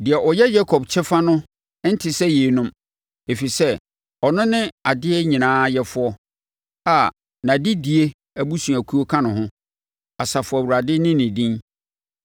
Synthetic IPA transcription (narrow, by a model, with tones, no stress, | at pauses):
dɪ˨ɛ˨ʔɔ˨jɛ˦jɛ˦kʰɔ˨bt͡ɕʰɛ˦fa˦nʊ̃˦ | n̩˦tʰɪ˨sɛ˦jeː˨˦nʊ̃˦m | e˨fi˨sɛ˦ | ɔ˨nʊ̃˦nɪ̃˦a˨dɪ˦ɛ˦ɲĩ˨nãː˨˦jɛ˦fʊ˦ɔ˦ | a˨ | nã˨dɪ˦di˨e˦ | æ˦˨bu˦sũ˨æ˨kʰu˦o˦kʰã˦nʊ̃˨ɦʊ̃˦ | a˨sa˨fʊ˨æ˨wu˨ɾa˨dɪ˦nɪ̃˦nɪ̃˨dĩ˦n